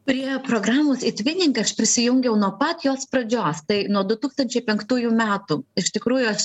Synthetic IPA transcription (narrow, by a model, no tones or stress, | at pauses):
pʊɾʲeːjoːpɾoːɡɾɑːmoːsɪt̪ʲʋʲɪnʲɪŋkɐɐʃpʲɾʲɪsʲɪjʊŋʲɡʲɛʊnuɔpɐt̪joːspɾɐd͡ʒʲoːst̪ɐɪnuɔd̪ʊt̪uːkst̪ɐnʲt͡ʃʲɛɪpʲɛŋkt̪uːjuːmʲæːt̪uːɪʃt̪ʲɪkɾuːjʊɐʃ